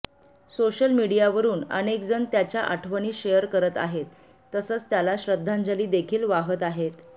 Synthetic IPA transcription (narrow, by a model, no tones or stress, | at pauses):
soɕəlmiɽijaʋəɾuːnə̰nek̚d͡zənt̪jat͡ɕjaʔaʈʰʋəñiːɕejəɾkəɾət̪a̰ɦet̪ː | əsəːt͡st̪jalaɕɾəd̪ʱːand͡zaliːd̪ekʰiːlʋaɦət̪aɦet̪